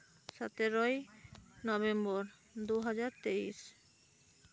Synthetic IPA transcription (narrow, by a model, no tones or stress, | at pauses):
ʃat̪eɾojnɔβembɔɾ | d̪uɦad͡ʑaɾt̪eiʃ